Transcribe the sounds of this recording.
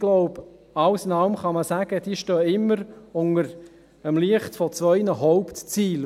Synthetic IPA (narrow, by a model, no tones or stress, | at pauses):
ɡ̥lɔʊb | ɑwsɪnɑlmχɑməsæɡ̥əd̥iːʃtœːɪmːəɾʊŋəɾ | əmliəχtfɔt͡sʋœʏnəɦɔʊptt͡siːl